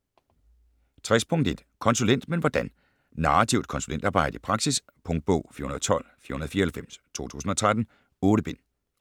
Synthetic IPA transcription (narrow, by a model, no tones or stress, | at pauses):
t͡sʰʁɛspʰɔ̽ŋd̥e̝d̥kʰɒ̽nsulen̰d̥menʋɒd̥æn | nɑ̈ːat͡sʰiʊd̥̚kʰɒ̽nsulen̰d̥ɑ̈ːb̥ɑ̈ɪ̰dəipʰʁɑ̈ɡ̥sis | pʰɔ̽ŋd̥̚b̥ɔʊ̰fḭɐhunɐðˠt͡sʰɒ̽l̰fiɐhunɐðˠfiːɐhelfem̰st͡sʰo̝̰ːt͡sʰṵːsn̩ɒ̽t͡sʰʁad̥n̩ | ɔ̽ːɾəb̥e̝n̰